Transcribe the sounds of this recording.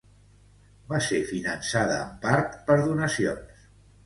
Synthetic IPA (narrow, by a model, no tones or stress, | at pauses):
basefinənsaðəːmpaɾt̪pəɾðunəsions